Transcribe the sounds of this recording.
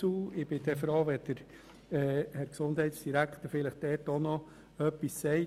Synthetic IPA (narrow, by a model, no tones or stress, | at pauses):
uːɪb̥ɪdɛfɾoːʋɛd̥əɾ | ɛhæɾksondhɛɪtsd̥iɾækχt̪əɾfɪləχd̥ɛːtɔnɔ | œpːisːɛɪ